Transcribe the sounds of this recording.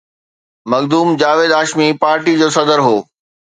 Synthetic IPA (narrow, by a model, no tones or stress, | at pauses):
mɐɡd̪uːmd͡ʑaːʋeːd̪aːʃmipaːɾʈid͡ʑoːsɐd̪əɾɦoː